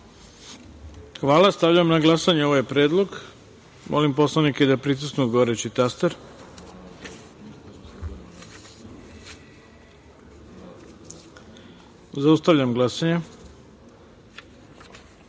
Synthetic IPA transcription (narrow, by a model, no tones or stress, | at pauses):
xʋaːlast̪avʎamnaɡlasaɲeoʋojpɾeːd̪lˠo̞ɡ | mʔolimpo̞slˠaniked̪apɾis̬usuɡoʋoɾet͡ɕit̪ast̪eɾ | zaust̪aʋʎamɡlasaɲe